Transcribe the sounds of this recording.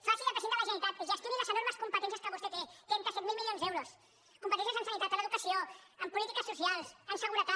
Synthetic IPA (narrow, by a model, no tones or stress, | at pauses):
fasiləpɾəzent̪aləʒənit̪at̪ʒəst̪inizləzənoɾməskumpət̪ɛns̬jəskəβust̪et̪et̪ɾɛnt̪əsɛt̪̚milˠmilijonzðɛwɾos | kumpət̪ɛns̬jəsənsənit̪at̪ələðukəsioəmpulit̪ikəsːusialˠsənsəɣuɾət̪a